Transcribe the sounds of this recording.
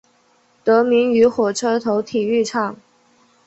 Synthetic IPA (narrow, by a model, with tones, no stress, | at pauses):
t̪ɤ˧˥mi˧˥ŋy˧˥xwɔ˨˩ʈ͡ʂʰɤ˥t̪ʰo˧˥ʊt̪ʰi˨˩y˥˩ʈ͡ʂʰɑ˨˩˦ŋ